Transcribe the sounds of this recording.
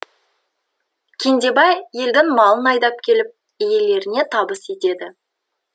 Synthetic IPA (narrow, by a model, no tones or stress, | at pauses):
kʲʰend̪e̞bɑjje̞ld̪ɪŋmɑlˠənɑjd̪ɑp̚kʲʰe̞lɪp̚ | ije̞le̞ɾɪne̞t̪ʰɑbəse̞t̪e̞d̪ɪ